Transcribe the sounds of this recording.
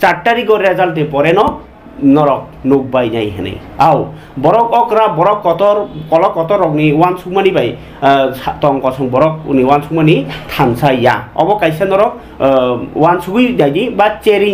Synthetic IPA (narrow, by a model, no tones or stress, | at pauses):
t͡ʃaʈːaɾiɡɔɾazalt̪̬epɔɾɛnɔ | nɔɾɔk̚nok̚bajna̰jɦɛ̰nḭ | aw | bɔɾɔkɔkɾabɔɾɔkːɔt̪ɔɾkɔlɔkːɔt̪ɔɾɔkniwansukmanibaj | sat̪ɔŋkɔsʰɔŋbɔɾɔk̚niwansukmanit̪ʰansajja̰ɔ̰bɔkajsanɔɾɔk̚ | wansuɡujnajnibat͡ʃeɾi